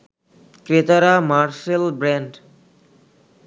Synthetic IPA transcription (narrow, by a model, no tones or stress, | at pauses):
kɾet̪aɾamaɾʃelbɾɛɳɖ